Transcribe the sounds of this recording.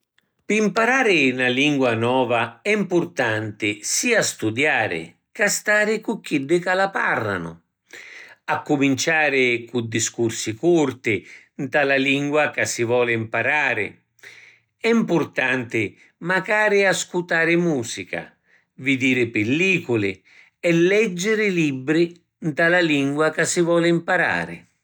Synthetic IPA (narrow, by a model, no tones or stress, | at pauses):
pɪimpaɾaːɾɪnaliŋɡwanɔːvaɛimpʊrt̪ant̪ɪsiːast̪ud̪jaːɾɪ̰ | kast̪aːɾɪkukːid̪ːɪkalaparːa̰nʊ̰ | akːumint͡ʃaːɾɪkud̪ːiskursikurt̪ɪ | nt̪alaliŋɡwakasːɪvɔːlɪimpaɾaːɾɪ̰ | ɛimpʊrt̪ant̪ɪ | maɡaːɾɪaskut̪aːɾɪmuːsika̰ | vɪd̪iːɾɪpɪlːiːkʊlɪ | ɛlːɛd͡ʒːɪɾɪlibːɾi | nt̪alaliŋɡwakasːɪvɔːlɪimpaɾa̰ːɾɪ̰